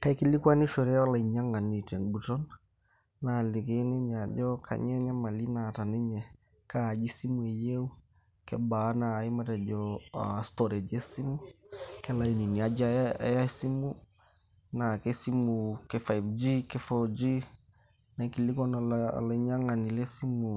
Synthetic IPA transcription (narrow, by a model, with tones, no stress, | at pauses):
ka˦i˦ki˦li˦kwa˦ni˦ʃo˨ɾɛ˦a˦la˨i˨ɲa˦ŋa˨ni˨te˨ŋbu˨tɔ˦nː | a˨lɪ˨ke˦nɛ˦ɲ˨a˨d͡ʒɔ˦kʰa̰˨ɲɛ˦ɲa˦ma˨li˦na˨ta˨nɛ˦ɲɛ˨ | kaː˦˨d͡ʒi˦si˦mu˨e˨je˦u˦ | kɛ˦ba˨˦naː˨i˦ma˦tɛ˨d͡ʒɔastɔ˨ɾe˨d͡ʒe˦si˦mu˦ | kɛ˦la˨i˨ni˨ni˨a˨d͡ʒ̰a˦si˦mu˦ | na˨kɛ˦si˦mu˨kɛ˦fa˨jfd͡ʒi˦kɛ˦fɔd͡ʒi˦ | na˨ki˨lɪ˦ɡɔ˦na̰˨la˨iɲa˦ŋa˨ni˨le˦si˦mu˨